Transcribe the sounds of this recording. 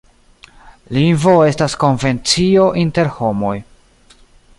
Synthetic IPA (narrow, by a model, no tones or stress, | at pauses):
linvo̞e̞stasko̞nve̞nt͡sio̞ʔinte̞ɾho̞mo̞j